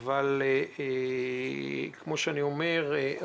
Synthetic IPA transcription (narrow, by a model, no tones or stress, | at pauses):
val | kmo̞ʃeaniomeʁe